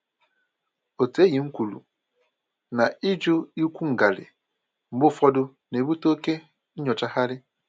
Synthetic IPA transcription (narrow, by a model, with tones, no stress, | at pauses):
o˨te˦ji˨ŋ̩˦kʷu˨lṵ˨ | na˨i˦d͡ʒʊ˦i˦kʷu˦ŋ̩˨ɡa˨lɪ̰˨ | m̩˨bʊ˦fɔ˦dʊ˦ | ne˨bu˦to˦ke˦ | ɲɔ˨t͡ʃa˦ha˦ɾɪ˦